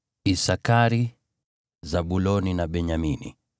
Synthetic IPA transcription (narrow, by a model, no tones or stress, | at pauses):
isakaɾi | zaɓulɔninaɓɛɲaminḭ